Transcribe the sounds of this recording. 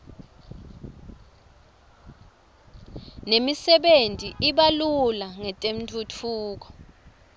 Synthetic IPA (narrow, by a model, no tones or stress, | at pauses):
nemisɛɓentʼiʔiɓalulaŋɛtʼem̩tʰʼutʰuːk̬ɔ̥